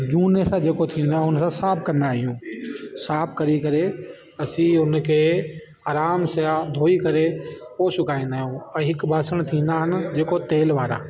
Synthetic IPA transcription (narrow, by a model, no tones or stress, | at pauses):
d͡ʑuːnesãd͡ʑeːkot̪ʰĩːnd̪aːɦʊnsãsaːb̚ʰkɐ̃nd̪aːɦijũːsaːb̚ʰkɐɾikɐɾe | ɐsĩʊnkʰeː | aːɾaːmsjad̪ʱoːikɐɾepoːsʊkʰaːĩːn̆d̪aːɦijũɛ̃ːɦɪkbʱaːsəɽ̃t̪ʰĩːn̆d̪aːɦɪnɪ̆d͡ʑeːkot̪eːlʋaːɾa̰ː